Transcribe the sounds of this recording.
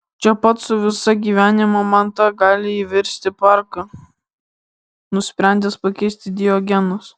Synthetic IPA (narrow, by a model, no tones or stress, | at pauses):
t͡ʃʲɛpɐt̪sʊʋʲɪsɐɡʲiːʋʲæːnʲɪmomɐnt̪ɐɡɑːlʲɪiːʋʲɛɾʲsʲt̪ʲɪpɑɾkɐ | nʊsʲpʲɾʲæˑnʲd̪ʲɛspɐkʲɛɪsʲt̪ʲɪd̪ʲɪjoɡʲɛnʊs